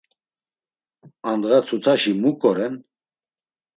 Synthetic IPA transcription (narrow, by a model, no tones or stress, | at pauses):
and̪ɣat̪ʰut̪ʰaʃimukʼɔɾɛn